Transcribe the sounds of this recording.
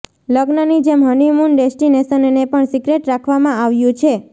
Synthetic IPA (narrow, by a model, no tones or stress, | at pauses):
ləɡnənid͡ʒemɦənimunɖesʈinesənnepəɳsiɡɾeʈɾakʰʋamãaʋjũt͡ʃʰe